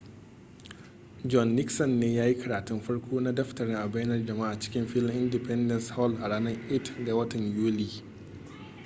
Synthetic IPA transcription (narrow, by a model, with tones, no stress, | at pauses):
d͡ʒɔ˦nːɪ˦ksɔ˨nːeː˦jaː˦ji˦kʰɐ˨ɾaː˨tʊ˦mɸɐ˦ɽkʷʰoː˦na˦dɐ˦ɸtɐ˨ɾɪ˦ŋʔa˨bɐ˦jnɐ˦rd͡ʒɐ˨maː˦ʔa˨t͡ʃɪ̥˦kʲɪ˦mɸɪ˦lmʔɪ˦ndɪ˨pɛ˦ndɐ˨nshɔ˦˨lʔa˨ɽaː˦nɐ˦rʔɪ˦tɡa˨wɐ˦tɐ˨ɲjuː˦liː˦